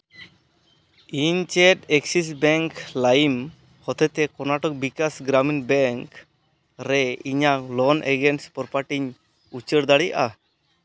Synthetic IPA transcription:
iɲt͡ʃɛʈɛksis̬bɛŋklajim | hɔt̪ɛt̪ɛkɔnaʈɔk̚bikasɡɾaminbɛŋk | ɾɛiɲalɔnɛ̰ɡɛnspɔɾpaʈiɲ | ut͡ʃəɾd̪aɽija̰ʔa

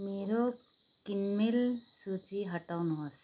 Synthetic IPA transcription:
meɾo | kinmelsut͡ʃiɦəʈawnɔɦas

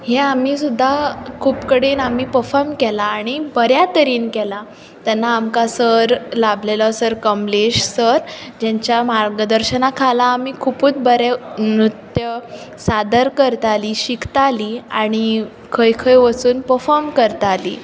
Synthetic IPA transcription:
ɦeam̤iːsud̪ʱːakʰuːpkəɽiːnam̤iːpəɾfɔɾmkɛlaːɽ̃ibəɾjat̪əɾiːnkɛla | t̪ɛnːaːmkasəɾlablelɔsəɾkəmleɕsəɾd͡ʑɛ̃ɲt͡ɕjamaɾɡəd̪əɾɕənakʰalaːmiːkʰupuːt͡s̪bəɾemɾut̪jə | sad̪əɾkəɾt̪aliːɕikʰt̪aliːaɽ̃i | kʰəjkʰəjʋəsuːnpəfɔɾmkəɾt̪alḭː

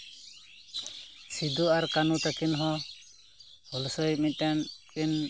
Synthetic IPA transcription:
sid̪uaɾkanut̪akinɦɔ̃ | hɔlsɔjmit̪̚ˀʈankɛn

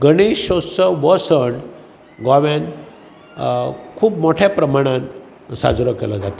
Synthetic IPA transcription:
ɡəɽ̃eɕosəʋəsəɳɖ | ɡaʋjan | kʰuːpmoʈʰjapɾəmaɽ̃ãn | sa̰d͡zɾəkelad͡zat̪a

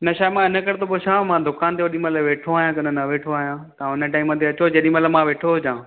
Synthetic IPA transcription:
nɐʃaːemãɪnə̆kɐɾet̪ʰoboʃʰaːmãd̪ʊkaːnt̪ʰeʋɐɗĩmɐt̪ləʋeːʈʰoaːɦijãkɐnənɐʋeːʈʰoaːɦjãt̪ãɪnəʈaːimːə̃t̪ʰeɐt͡ɕod͡ʑɐɗĩmɐt̪ləmãʋeːʈʰoɦod͡ʑãː

